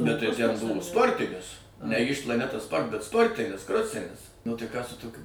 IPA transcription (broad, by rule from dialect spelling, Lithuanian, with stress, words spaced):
bʲɛt tɐɪ ˈtʲɛn ˈbʊʋoː ˈspoːrʲtʲɪnʲɪs nʲɛ ˈiːʃ plˠɐˈnʲæːtɐ ˈspoːrt bʲɛt ˈspoːrʲtʲɪnʲɪs ˈkroːsʲɪnʲɪs nʊ tɐɪ ˈkɑː sʊ ˈtoːkʲʊ